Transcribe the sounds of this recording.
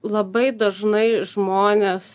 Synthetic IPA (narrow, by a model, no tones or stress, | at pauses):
lˠɐbɐɪd̪ɐʒnɐɪʒmoːnʲeːs